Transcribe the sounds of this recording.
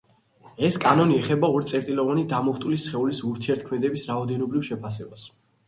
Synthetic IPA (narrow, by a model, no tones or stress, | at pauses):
ɛskʼanɔniɛχɛbaɔɾt̪sʼɛɾt̪ʼilɔvanid̪amɔχt̪ʼulisχɛulisuɾt̪ʰiɛɾt̪̚ʰkʰmɛd̪ɛbisɾaɔd̪ɛnɔbɾivʃɛpʰasɛbas